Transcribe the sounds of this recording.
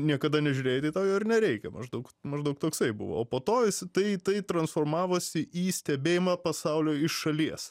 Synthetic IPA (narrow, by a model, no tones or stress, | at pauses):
nʲiɛkɐd̪ɐnʲɛʒʲʉːɾʲeːjɛt̪ɐɪt̪ɐʊjoːɪrnʲɛɾʲɛɪkʲɛmɐ̰ʒd̪ɐʊkmɐʒd̪ɐʊkt̪oːksɐɪbʊ̰ʋo̰ːoːpoːt̪oːjɪst̪ɐɪt̪ɐɪt̪ɾɐnsfoːɾmɑːʋoːsʲɪʔiːsʲt̪ʲɛbʲeːjɪmɐpɐsɐʊlʲoːɪʃʃɐlʲiɛs